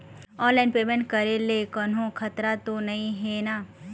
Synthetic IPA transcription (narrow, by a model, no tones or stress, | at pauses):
ɔ̃ːnlaːɪnpeːmẽɳʈ̚kɐɾelekɐnɦõkʰɐt̪ɾat̪onɐĩɦeːnaː